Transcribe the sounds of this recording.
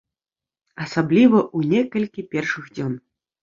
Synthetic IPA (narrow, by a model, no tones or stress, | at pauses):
ɐsablʲivɐʔunʲɛkɐlʲkʲipʲɛrʂɨɣd͡zʲɔn